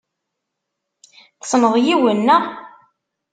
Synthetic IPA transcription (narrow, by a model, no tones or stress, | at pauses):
θsˤnəðˤjiwənːæ